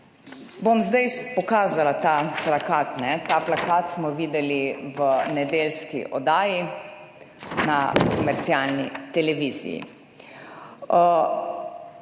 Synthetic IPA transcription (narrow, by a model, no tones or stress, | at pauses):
bomzd̪ajpɔkaːzalat̪aːplakaːt̪nɛt̪aːplakaːt̪smɔʋiːd̪ɛliʋənɛd̪eːlskḭʔɔ̰d̪aːji | nakɔmɛɾt̪sialnḭt̪ɛlɛʋiːzḭjḭ